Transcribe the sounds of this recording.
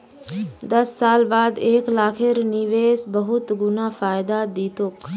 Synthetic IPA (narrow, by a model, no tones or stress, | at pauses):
d̪ɐsːaːlbaːd̪eːklaːkʰeɾniʋeːsbɐɦʊt̪ɡʊnafaːjd̪ad̪iːt̪ok